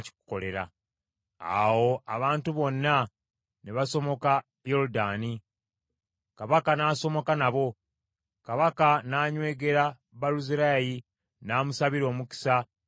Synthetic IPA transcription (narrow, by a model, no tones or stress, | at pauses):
ci̥ku̥ko̞le̞ɾa̰ | a̰wo̞aβaːntuβo̞nːa | neβaso̞mo̞ka | jo̞ɾudaːni | kaβakanaːso̞mo̞kanaβo̞ | kaβakanaːɲwe̞ːɡe̞ɾa | βaluziɾaji | naːmusaβiɾo̞ːmuki̥sa